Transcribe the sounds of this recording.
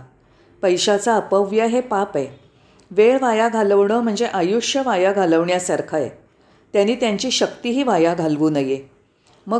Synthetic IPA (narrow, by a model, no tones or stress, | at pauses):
pəjɕat͡saəpəʋjəɦepape | ʋeɭʋajaɡʱaləʋɳəːm̤əɳd͡zeʔajuʂjəʋajaɡʱaləʋɳjasaɾkʰajḛ | t̪janiːt̪jaɲt͡ɕiːɕək̚t̪iːɦiːʋajaɡʱalʋuːnəje | mə